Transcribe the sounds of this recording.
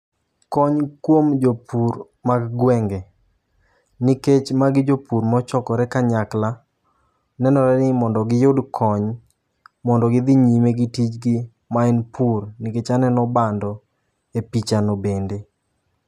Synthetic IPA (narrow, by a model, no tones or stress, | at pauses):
kɔɲkwomd͡ʒopuɾ | maɡɡwɛŋɡe | niket͡ʃmaɡɪd͡ʒopuɾmɔt͡ʃɔkɔɾɛkaɲakla | nɛnɔɾɛnɪmɔndɔɡɪjʊdkʰɔɲ | mɔndɔɡɪd̪ɪɲimeɡɪtit͡ʃɡɪ | maɛnpurniket͡ʃanɛnɔbandɔ | epit͡ʃanɔbende